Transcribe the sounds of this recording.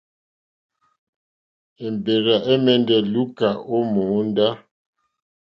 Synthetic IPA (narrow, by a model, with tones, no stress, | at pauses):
e˨m˨be˨ɾa˨ʔe˦mɛ˦ndɛ˨lu˦ka˨o˦mo˨˦nda˦